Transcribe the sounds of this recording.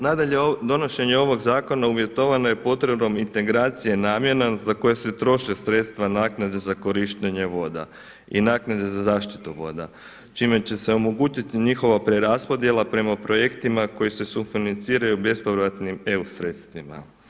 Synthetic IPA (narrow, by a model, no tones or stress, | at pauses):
nad̪aʎed̪o̞no̞ʃe̞ɲe̞o̞ʋo̞ɡzaːko̞nauʋje̞t̪o̞ʋano̞je̞po̞t̪ɾebno̞mint̪e̞ɡɾaːt̪sije̞naːmjenazako̞jeset̪ɾo̞ʃesɾe̞t̪st̪ʋanaːknad̪e̞zako̞ɾiʃt̪eɲe̞ʋo̞d̪a̰ | ḭnaːknad̪e̞zazaːʃt̪i̥t̪uʋo̞̰d̪a̰ | t͡ʃime̞t͡ɕe̞se̞o̞mo̞ɡuːt͡ʃit̪iɲixo̞ʋapɾe̞ɾaspo̞d̪je̞lˠapɾe̞mapɾo̞je̞kt̪imako̞jise̞sufinant̪siːɾajube̞spoʋɾat̪nime̞usɾeːt̪st̪ʋima̰